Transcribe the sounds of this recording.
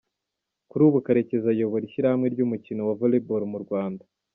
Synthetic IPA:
kuɾuβukaɾe̞ce̞zajo̞βoɾiʃiɾahamŋe̞ɾɟuːmucino̞wavoleboɾmuɾɡwaːnda

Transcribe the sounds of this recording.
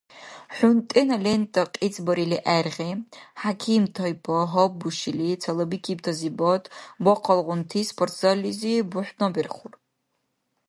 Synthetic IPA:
ħʷʊntʼinalentʼaqʼit͡sʰʼbɐɾiliʔarʁʲiħakʲʰimtʰojpʰɔɦɔbuʃilit͡sʰalɐbikʰʲibtʰazibotʼbɔqʰɑlʁʷʊntʰispʰortʰz̥alizibʊħʷᶣnabirχʷʊr

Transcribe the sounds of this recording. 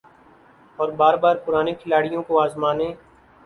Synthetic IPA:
ɔːɾbaːɾbaːɾpʊɾaːnekʰɪlaːɽijõkoaːzmaːnẽː

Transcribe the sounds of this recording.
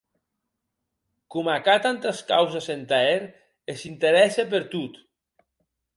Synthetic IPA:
kumakat̪ant̪eskawzasent̪aeɾ | esint̪eɾɛsep̬eɾt̪ut̪

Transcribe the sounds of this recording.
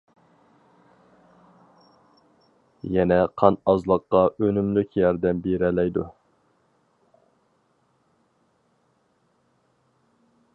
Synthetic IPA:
jɛnɛqʰɑnɑzlˠəqːɑʔønymlykʲjɑɾd̪ɛmbeɾɛlɛjd̪u

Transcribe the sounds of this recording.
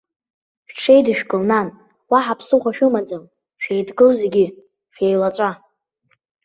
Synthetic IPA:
ʃᶣʈ͡ʂʰe̞jdɨʃᶣkʼɨlnan | waħapʰsɨχʷaʃᶣʊmad͡zam | ʃᶣejdɡɨlze̞ɡʲɪ | ʃᶣejlat͡sʷʼa

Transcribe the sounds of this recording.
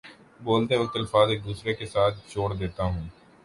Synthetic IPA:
boːlt̪eʋɐk̚t̪ɐlfaːzeːk̚d̪uːsɾekesaːt̪̚ʰt͡ʃoːɽd̪eːt̪aɦũː

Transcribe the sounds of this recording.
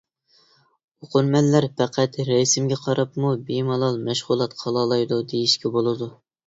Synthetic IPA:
oqʰʊɾmɛnːæɾpæqʰæt̪ɾɛjsɪmɡʲɛqʰɑɾɑpmubemɑlˠɑlˠmɛʃʁʊlˠɑt̪qʰɑlˠɑːlˠɑjd̪ud̪ejiʃkʲɛbolˠɨd̪u

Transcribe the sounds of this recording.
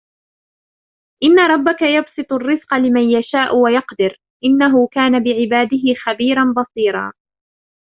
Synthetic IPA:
ʔɪnːaɾˤɑbːakajɑbsˤɨt̪ˤʊrːɪzqɑlɪmanjaʃaːʔwajɑqd̪ɪɾ | ʔɪnːaɦʊkaːnabɪʕɪbaːd̪ɪɦɪxabiːɾˤɑnbɑsˤiːɾˤɑ̰ː

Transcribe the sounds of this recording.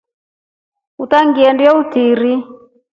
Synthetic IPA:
utaŋɡiɛndiɔutiɾi

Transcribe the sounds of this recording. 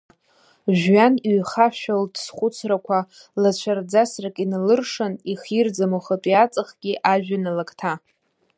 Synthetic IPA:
ʒɥaniɥχaʃᶣaldsχʷʊt͡sʰrakʷʰa | lat͡ɕʷʰard͡zasrakʼinalɨrʂɨniχird͡zamoχatʼijat͡sʼɨχɡ̥ʲiʔaʒᶣanalakʼtʰa

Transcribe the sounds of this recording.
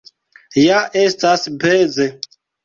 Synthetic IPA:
jaʔestasbeze

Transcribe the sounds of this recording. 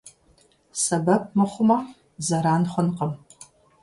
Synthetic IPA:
sɐbɐp̚mɨχʷʊmɐ | zɐɾaːnχʷʊnqəm

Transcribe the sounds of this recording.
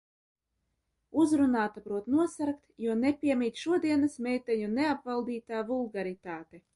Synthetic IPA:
uzɾunaːt̪apɾuɔt̪nuɔsaɾkt̪juɔnepʲiɛmiːt̪ʲʃuɔd̪iɛnasmɛjt̪ɛɲuneapvalˠd̪iːt̪aːvulˠɡaɾit̪aːt̪e

